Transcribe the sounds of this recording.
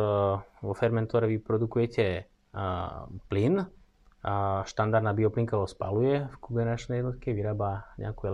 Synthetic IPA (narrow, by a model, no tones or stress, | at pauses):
ʋɔfɛɾmɛnt̪ɔɾɛʋipɾɔd̪ukujɛcɛ | plin | ʃt̪and̪aɾd̪abiɔpliŋkaɦɔspa̰lujɛfkubɛnat͡ʃnɛjɛd̪nɔt̪̚kɛʋiɾaːbaɲɛ̰akuɛ